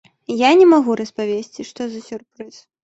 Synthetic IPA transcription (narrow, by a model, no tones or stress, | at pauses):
janʲɛmaɣuɾɐspavʲesʲt͡sʲiʂt̪ɔzɐsʲurpɾɨs